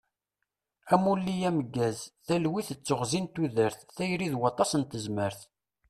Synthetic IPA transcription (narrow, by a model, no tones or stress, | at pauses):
æmulːijæməɡːæzθælwiθət͡sːʊʁzint̪ːuðəɾθθæjɾiðwɑt̪ˤːɑsənt̪əzməɾθ